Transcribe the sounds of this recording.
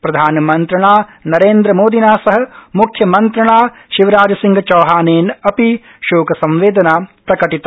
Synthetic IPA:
pɾɐd̪ʱaːnɐmɐnt̪ɾɐɳaːnɐɾeːnd̪ɾɐmoːd̪inaːsɐɦɐ̆mukʰjɐmɐnt̪ɾɐɳaː | ʃiʋɐɾaːd͡ʒɐsiŋɡʱɐt͡ʃɐːɦaːneːnɐpi | ʃoːkɐsɐ̃mʋeːd̪ɐnaːpɾɐkɐʈit̪ɐ

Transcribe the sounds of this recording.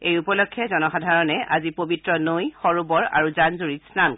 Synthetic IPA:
ejupɔlɔkʰːjɛzɔnɔxadʱaɹɔnɛʔazipobitɹɔnojxɔɹubɔɹa̰ɹuzanzuɹisnan

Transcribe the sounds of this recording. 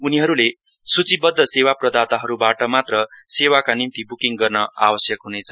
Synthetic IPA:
uniɦʌɾule | sut͡sibʌd̪ʱːʌsewaprʌd̪at̪aɦʌɾubaʈʌmat̪rʌsewakanint̪ibukiŋɡʌrnʌa̰bʌsjʌkɦunet͡sʰʌ

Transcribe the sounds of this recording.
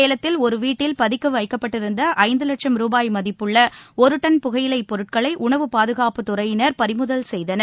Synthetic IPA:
eːlɐt̪ːɪlɔɾɯʋiːʈːɪlpɐðɪkːɯʋɐɪkːɐpːɐʈːɪɾɯnd̪ɐʔɐɪnd̪ɯlɐʈʂɐmɾuːbaːjmɐðɪpːɯɭːɐɔɾɯʈːɐnpʊɣɐjɪlɐɪpːɔɾɯʈ̚kɐɭɐɪʔʊɳɐʋɯpaːðɯɣaːpɯt̪ːʊrɐjɪnɐɾpɐɾɪmɯðɐlsɛjðɐnɐ

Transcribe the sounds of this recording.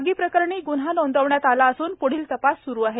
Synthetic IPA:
ɡiːpɾəkəɾɳiːɡun̤ɦanond̪əʋɳjat̪alaəsuːnpoɽ̤iːlt̪əpasːuɾuːaɦe

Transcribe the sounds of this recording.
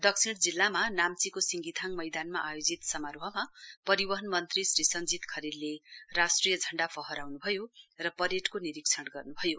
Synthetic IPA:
d̪ʌksʰiɽd͡zilːamanamt͡sikosiŋɡit̪ʰaŋmʌjd̪anmaʔajod͡zit̪sʌmaɾoɦʌmapʌɾibʌɦʌnmʌnt̪risrisʌnd͡zit̪kʰʌɾillerasʈrijʌd͡zʱʌɳɖapʰʌɦʌɾawnubʱʌjorʌpʌɾeʈkoniɾikt͡sʰʌɽɡʌrnubʱʌjo

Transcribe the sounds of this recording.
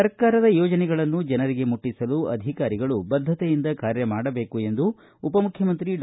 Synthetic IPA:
ɐɾkaːɾɐd̪ɐjɔːd͡ʒɐnɛɡɐɭɐnːud͡ʒɐnɐɾiɡe̞muʈːisɐluʔɐ̰d̪ʱikaːɾiɡɐɭubɐd̪ʱːɐt̪ejind̪ɐkaːɾjɐmaːɽɐbe̞ːkue̞nd̪uː | pɐmukʰjɐmɐnt̪ɾiɖ

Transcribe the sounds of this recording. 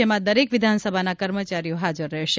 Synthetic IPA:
emãd̪əɾekʋɪd̪ʱansəbʱanakəɾmət͡ʃaɾijoɦad͡ʒəɾːɛɦʃ

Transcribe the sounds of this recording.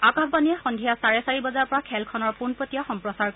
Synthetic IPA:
akabbaniɛxɔndʱijasaɹɛsaɹibɔzaɹpɔɹakʰɛlkʰɔnɔɹpunpɹɔtijaxɔmpɹɔsaɹkɔ

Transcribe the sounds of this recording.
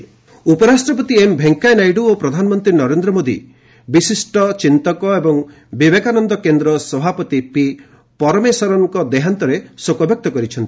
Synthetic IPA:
upɔɾasʈɾɔpɔt̪iembʱeŋkajnajɖuopɾɔd̪ʱanɔmɔnt̪ɾinɔɾend̪ɾɔmod̪ḭ | bisisʈɔt͡ʃint̪ɔkɔebɔŋ | bibekanɔnd̪ɔkend̪ɾɔsɔbʱapɔt̪ipi | pɔɾɔmesɔɾɔŋkɔd̪eɦant̪ɔɾesokɔbʱjɔk̚t̪ɔkɔɾit͡ʃʰɔnt̪i̥

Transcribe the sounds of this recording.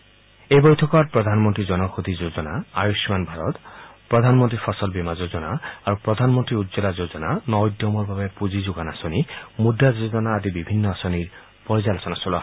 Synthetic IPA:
ejbɔjt̪ʰɔkɔɾpɾɔd̪ʱanmɔnt̪ɾid͡ʒɔnɔkʰud̪ʱid͡ʒod͡ʒɔnaajusmanbʱaɾɔt̪pɾɔd̪ʱanmɔnt̪ɾipʰɔsɔlbimad͡ʒod͡ʒɔna̰ːɾupɾɔd̪ʱanmɔnt̪ɾiud̪zɔlad͡ʒod͡ʒɔnanɔd̪jɔmɔɾbʱabepud͡ʒid͡ʒuɡanasɔnimudad͡ʒod͡ʒɔnaːd̪ibibʱinːɔasɔniɾ | pɔɾizalɔsɔnasɔlɔ

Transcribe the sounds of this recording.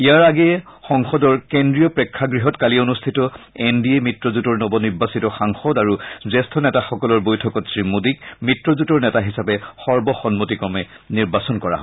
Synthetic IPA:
ijaɹaɡɛxɔŋxɔdɔɹkendɹijɔpɹɛkʰːaɡɹiɦɔtkalionustʰitɔendiɛmitɹɔzutɔɹnɔbɔniɹbːasitɔxaŋxɔdaɹuzɛstʰɔnɛtaxɔkɔlɔɹbojtʰɔkɔtsɹimudikmitɹɔzutɔɹnɛtaɦisapɛxɔɹbɔxɔnmotikɔmɛ | niɹbasɔnkɔɹa̰ɦɔ

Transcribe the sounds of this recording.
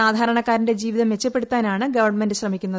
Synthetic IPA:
aːd̪ʱaːɾɐɳɐkːaːɾinde̞d͡ʑiːʋiðɐmʋet͡ɕːɐpːe̞ɽut̪ːaːnaːɳɨɡɐʋɐrɳme̞ndɨɕrɐmikʲːunːɐðɨ

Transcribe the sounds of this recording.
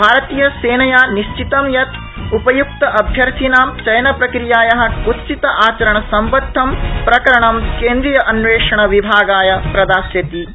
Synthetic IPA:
bʱaːɾɐt̪iːjɐseːnɐjaːniʃt͡ʃit̪ɐmjɐt̪ | upɐjuk̚t̪ɐʔɐbʱjɐɾt̪ʰinaːmt͡ʃɐjɐnɐpɾɐkɾijaːjɐɦɐ̆kut̪sit̪ɐʔaːt͡ʃɐɾɐɳɐsɐmpɐt̪ʰːɐmpɾɐkɐɾɐɳɐmkeːnd̪ɾijɐʔɐnʋeːʂɐɳɐʋibʱaːɡaːjɐpɾɐd̪aːsjɐd̪i

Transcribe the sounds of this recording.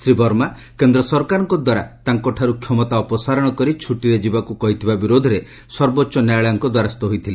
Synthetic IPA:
sɾibɔɾma | kend̪ɾɔsɔɾkaɾɔŋkɔd̪waɾa̰t̪aŋkɔʈʰaɾukʰjɔmɔt̪aɔpɔsaɾɔɽ̃ɔkɔɾit͡ʃʰuʈiɾed͡ʒibakukɔɦit̪ʰibabiɾod̪ʱɔɾe | sɔɾbɔtːʃɔnajɭajɔŋkɔd̪waɾast̪ɔɦojt̪ʰili

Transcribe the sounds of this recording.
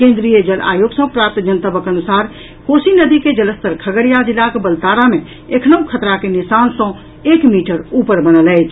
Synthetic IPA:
kẽnd̪ɾijəd͡ʒəla̰joɡsə̃pɾap̚t̪d͡ʒənt̪əbəkənusaɾ | kosinəd̪iked͡ʒələst̪əɾkʰəɡəɾijad͡ʒilːakebəlt̪aɾame | ekʰnəukʰət̪ɾakenisansə̃ | ekmiʈəɾupəɾbənələjt͡ʃʰ

